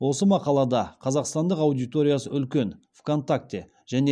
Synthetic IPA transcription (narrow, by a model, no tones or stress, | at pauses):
wo̞səmɑqɑlˠɑd̪ɑqʰɑzɑqst̪ɑnd̪əqɑwd̪ijt̪o̞ɾʲijasəʏlkʲe̞n | v̥ko̞nt̪ak̚t̪ʲe | ʒ̥æne